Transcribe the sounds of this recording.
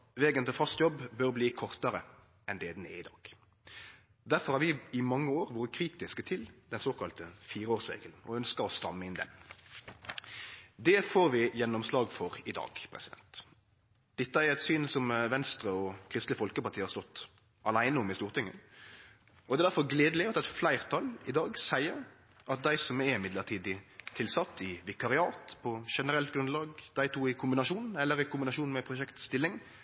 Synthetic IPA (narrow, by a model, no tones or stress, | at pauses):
ʋeːɡənt̪ɪlfɑst̪jɔbbœɾbliːkʰɔʁt̪əɾə | ɛnd̪ɛːd̪neɪd̪ɑ̰ːɡ̥ | d̪æɾfɔɾʁhɑɾʋɪɪmɑŋːəoːɾʋoːɾəkʰɾiːt̪ɪskət̪ʰɪld̪ɛnsoːkʰɑlt̪əfiːɾoːʁsɾḛːɡəln̩ɔœnskəɾɔst̪ɑ̰mːəɪnd̪ɛ̰n | d̪ɛfoːɾʋɪjɛnːɔmslɑːɡfɔɾɪd̪ɑ̰ːɡpʰɾɛ̰sɪd̪ɛ̰nt̪ | d̪̥ɛt̪ːəæɾɛt̪syːnsɔmʋɛnst̪ɾəɔkʰʁɪst̪ləfɔlkəpɑʁt̪ʰiːhɑɾst̪ɔt̪ː | ɑlæɪnəɔmɪst̪uːʁt̪ɪŋːə̰ | ɔd̪ɛːd̪æɾfɔʁɡleːd̪lɪɑt̪ɛt̪flæɪʁt̪ʰɑlɪd̪ɑːɡsæɪəɾ | ʔɑt̪̚d̪æɪsɔmɛmɪd̪ləʁt̪ʰiːd̪ɪt̪ʰɪlsɑt̪ːɪʋɪkɑɾɪɑːt̪pʰɔʃɛnəɾɛlt̪ɡɾʉnlɑːɡd̪̥æɪt̪ʰuːɪkʰʊmbɪnɑʃuːnɛlːəɾɪkʊmbɪnɑʂuːnmɛpʰɾʊʃɛkt̪st̪ɪlːɪŋ